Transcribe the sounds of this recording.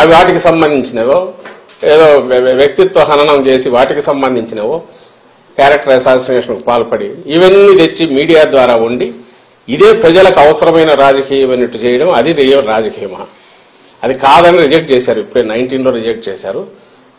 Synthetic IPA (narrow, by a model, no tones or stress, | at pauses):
ɐʋiʋaːʈikisɐmbɐnd̪ʱiɲt͡ʃinɐʋoː | eːd̪o̞ːʋjɐk̚t̪it̪ʋɐɦɐnɐnɐmt͡ʃe̞ːsiʋaːʈikisɐmbɐnd̪ʱiɲt͡ʃinɐːʋoː | kaːɾɐk̚ʈɐɾɐjsaːsʈineːʂɐnkupaːlɐpɐɽiːʋɐnːit̪et͡ʃːimiːɽijaːd̪ʋaːɾaːuɳɖiː | d̪e̞ːpɾɐd͡ʒɐlɐkuɐʋɐsɐɾɐmɐjnɐɾaːd͡ʒɐkiːjɐmɐnːiʈːut͡ʃɛːjɐɽɐmɐd̪iɾiɾaːd͡ʒɐkiːjɐma̰ː | ɐd̪ikaːd̪ɐniɾid͡ʒɐk̚ʈ̚t͡ʃɛːsaːɾuipːuɽeːnɐjɳʈiːnlo̞ːɾid͡ʒɐk̚ʈ̚t͡ʃɛːsa̰ːɾu